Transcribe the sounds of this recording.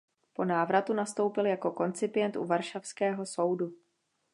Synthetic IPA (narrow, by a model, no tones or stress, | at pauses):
po̞naːvɾat̪unast̪o̞wpɪljako̞ko̞nt͡sɪpɪjɛnt̪ʔṵvaɾʃafskɛːɦo̞so̞wdu